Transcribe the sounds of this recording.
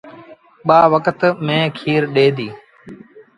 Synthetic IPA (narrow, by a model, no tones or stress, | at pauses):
ɓaːʋəkət̪mẽːkʰiːɾɗeːd̪iː